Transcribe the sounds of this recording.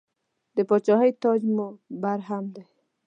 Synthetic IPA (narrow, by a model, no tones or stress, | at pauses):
d̪əpɔt͡ʃɔɦəjt̪ɔd͡ʒmobaɾɦamd̪e